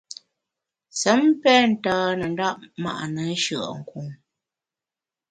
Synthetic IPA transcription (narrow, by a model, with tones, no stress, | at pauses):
sə˨˦mpɛ˦n̩˨taː˨˦nə˨n˦da˦ʔ̚ma̰˨ʔa˨nə˨˦ʃə˨ʔŋ̩˨ku˨ŋ